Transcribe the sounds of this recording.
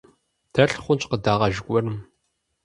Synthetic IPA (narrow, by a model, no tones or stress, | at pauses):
d̥ʰɐɬχʷʊnt͡ʃʼqədaːʁɐʒɪkʷʼɔrɨm